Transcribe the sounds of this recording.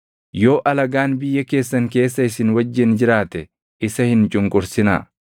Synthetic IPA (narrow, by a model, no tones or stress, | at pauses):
jo̞ːʔɐlɐɡaːnbɪjːɐke̞ːsːɐŋke̞ːs̬ːɐɪsɪnwɐd͡ʒːɪnd͡ʒɪɾaːt̪ɛ | ʔɪsɐhɪnt͡ʃʼʊŋkʼʊɾsɪna̰ː